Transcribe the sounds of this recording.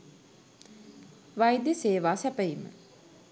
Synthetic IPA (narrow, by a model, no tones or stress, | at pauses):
ʋajd̪eseːʋaːsæpəjimə̰